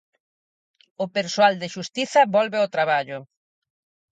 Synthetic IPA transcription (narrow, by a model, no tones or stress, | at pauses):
ʊpeɾsoald̪eʃust̪iθɐβɔlβeot̪ɾaβ̞aʎʊ